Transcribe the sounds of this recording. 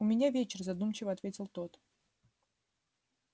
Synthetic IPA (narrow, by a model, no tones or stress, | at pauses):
ʊmʲɪnʲavʲet͡ɕɪrzɐd̪umt͡ɕɪvəɐt̪vʲetʲɪlˠt̪ot̪